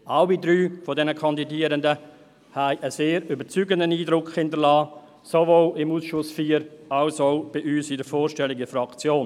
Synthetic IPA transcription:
aʊidɾyːfodɛnəkʰɑndidiːəɾəndə | hæɪʔəseːɾybət͡syːɡəndəniːdɾʊkʰhɪndəlɑː | sovoːlɪmuːsʃʊsfiːəɾɑʊsoʊb̥ɪʔyːsɪdəfɔːɾʃtɛlɪɡəfɾɑkt͡sjoːn

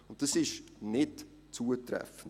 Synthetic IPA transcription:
ʊnt̚d̥ɑsɪʃnɪt | t͡suətrɛ̰fən̩

